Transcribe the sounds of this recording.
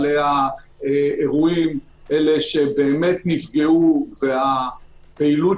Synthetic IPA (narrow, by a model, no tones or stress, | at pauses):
leaeeʁuim | ele̞ʃe̞be̞ːme̞tnifɡeuve̞apeilu